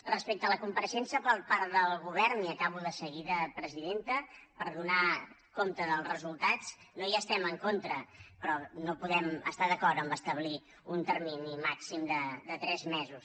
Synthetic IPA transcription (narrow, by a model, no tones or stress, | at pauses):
rəspek̚t̪ələkumpəɾəʃɛnsəpəɾpaɾt̪ðəlˠɣuβ̞ɛɾniəkaβ̞uðəsəɣiðəpɾəziðent̪əpəɾðuna | komt̪əðəlˠzrəzulˠt̪at͡s | nojaːst̪ɛməŋkont̪ɾəpɾɔnopuðɛmə̰st̪aðəkɔɾt̪əmbəst̪əβli | unt̪ərminimaksimd̪əd̪ət̪ɾɛzmɛzus